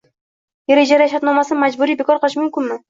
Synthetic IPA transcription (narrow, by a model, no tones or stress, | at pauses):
jeɾed͡ʒaɾjaʃat̪nɒmasɪnmad͡ʒbʊɾijbekʰɒɾqʰɨlˠɪʃmʊmkʲɪnmɪ